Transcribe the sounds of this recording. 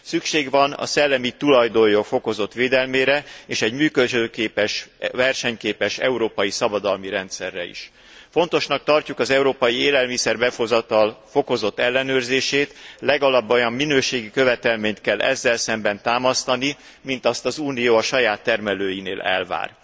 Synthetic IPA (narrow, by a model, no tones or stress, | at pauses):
sykʃeːɡʋɒnɒ̰sɛlːɛmit̪ulɒjd̪ojokfo̞ko̞zo̞t̪ʋeːd̪ɛlmeːɾɛeːʃɛɟmyːkøʒøːkeːpɛʃvɛrʃɛɲkeːpɛʃɛ̰uɾoːpɒjisɒbɒd̪ɒlmiɾɛnt̪sɛrːɛ̰ḭʃ | fo̞n̪t̪o̞ʃnɒk̚t̪ɒrcukɒzɛuɾoːpɒjieːlɛlmisɛrbɛfozɒt̪ɒlfo̞ko̞zo̞t̪ːɛlːɛnøːrzeːʃeːt̪lɛɡɒlɒbːo̞jɒmːinøːʃeːɡikø̞vɛt̪ɛlmeːɲt̪kɛlːʔɛ̰zːɛlsɛmbɛnt̪aːmɒst̪ɒni | mint̪ɒst̪ɒzuːnijoːɒʃɒjaːt̪ːɛrmɛløːjineːlɛ̰lva̰ːr